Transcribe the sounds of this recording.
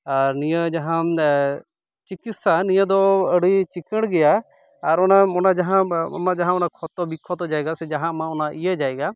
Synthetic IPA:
aɾnijəd͡ʒaɦã | t͡ʃikit̪sanijəd̪ɔəɽit͡ʃikəɽ̃ɡɛjaː | ɾɔnaɔnad͡ʒaɦã̰mãd͡ʒaɦãɔnakʰɔt̪ɔbikʰɔt̪ɔd͡ʒaɛɡasɛd͡ʒaɦãmãɔnaʔijəd͡ʒaɛɡa

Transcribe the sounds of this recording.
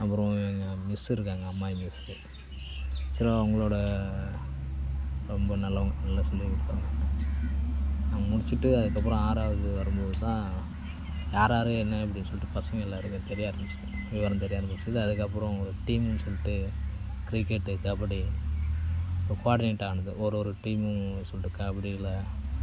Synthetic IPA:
ɐpːɯɾɐ̃ʋŋɡɐmɪsɪɾɯkːaːŋɡɐɐmːaːjmɪs | sɪɾaʊŋɡɐɭoːɽɐ | ɾɔmbɐnɐlːɐŋɡɐnɐlːɐsɐmːɐkʊɽɯt̪ːʋaːŋɡɐɐ | aŋɡɐmʊɽɪt͡ʃːɯʈːɯɐðɯkːɐp̬ːɯɾɔ̃aːɾaːʋɐðɯʋɐɾɯmboːðɯt̪ãː | jaːɾaːɾɯɛnːɐɐp̬ːɐɽɪnːɯsɔlːɪʈːɯpɐsɐŋɡɐɛlːaːɪɾɯkːɐt̪ɛɾɪjaːɾɐmbɯsɐʋɪʋɐːɾɐmt̪ɛɾɪjaːɾɐmbɐsɯðɯɐðɯkːɐpːɯɾɔ̃ɔɾɯʈiːmɯnːsɔlːɪʈːɯ | kɾɪkːɛʈːɯðɐpːɐɽi | soːkʊaːɽɪneʈːaːɳɐðɯʔɔɾɔɾɯʈiːmɯsɔlːʈɾɯkːãɐpːɐɽiɪlːɐ

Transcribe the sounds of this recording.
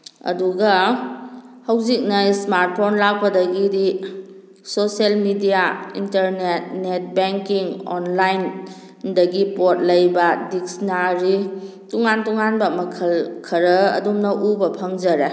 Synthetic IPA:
ɐ̰duɡɐ | hɐwzik̚nɐjsmaɾt̚pʰonlak̚bɐdɐɡidi | soselmidijaḭntɐɾnet̚net̚beŋkiŋo̰nlajn | dɐɡipot̚lɐjbɐdik̚snaɾi | tuŋantuŋanbɐmɐkʰɐlkʰɐɾɐɐ̰dumnɐʔubɐpʰɐŋzɐɾe

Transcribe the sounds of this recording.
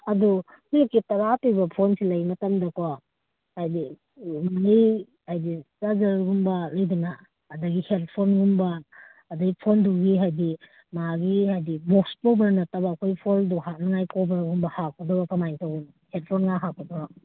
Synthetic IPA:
ɐdu | kiekːitɐɾatibɐpʰonsilɐjmɐtɐmdɐkowa | hajdi | maŋij | hajdisazɐɾɡumbɐlɐjdunaː | dɐɡihel̚pʰonɡumbaː | dɐɡipʰonduɡiɦajdi | maɡihajdibok̚spowbɐɾnɐtabaːkʰojpʰolduɦanɐŋajkowbɐɾɡumbɐhakʰːɔdɔbakɐmajŋtawun | helpʰonŋaɦakʰːɔdɔba

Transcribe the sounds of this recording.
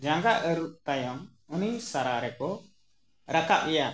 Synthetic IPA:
d͡ʒãŋɡaʔəɾuʔ̚t̪ajɔŋ | unisaɾaɾɛkɔ | ɾakaʔ̚wɛja

